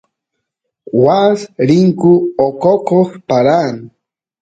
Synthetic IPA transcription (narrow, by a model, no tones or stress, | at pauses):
wasɾiŋkʊokokoxpaɾan